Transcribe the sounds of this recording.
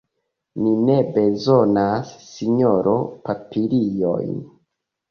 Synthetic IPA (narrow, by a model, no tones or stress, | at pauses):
nine̞be̞zo̞nasːiɲoɾʔo̰papʰiɾijo̰jn